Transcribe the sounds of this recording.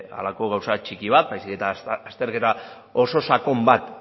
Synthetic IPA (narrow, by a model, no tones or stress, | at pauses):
a̰lako̞ɣ̞awsat͡ʃikiβ̞at̪̚bajsiket̪aːst̪e̞ɾke̞t̪a | o̞so̞sako̞mbat̪